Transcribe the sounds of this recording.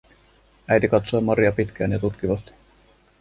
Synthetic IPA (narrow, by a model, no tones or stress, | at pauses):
æjt̪ikɑt̪soːmɑɾiɑpit̪k̟æːnjɑt̪ut̪kiʋɑst̪i̥